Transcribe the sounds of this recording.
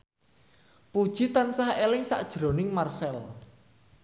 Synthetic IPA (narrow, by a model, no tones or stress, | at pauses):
pud̥ʒ̥it̪ansahelɪŋsa̰ʔd̥ʒ̥ɾo̤nɪŋmarsɛl